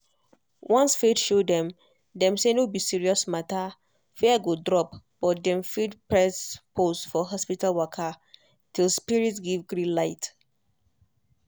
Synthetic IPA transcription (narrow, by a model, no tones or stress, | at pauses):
wɔ̃nsfetʃodɛ̃m | dɛ̃msenobisiɹiɔsmata | fɛaɡodɹɔpb̥ɔt̚dɛ̃mfitpɹɛsposfɔɦɔspitalwɔkʰa | tʰilˠspiɹitsɡivɡɹĩlaɪt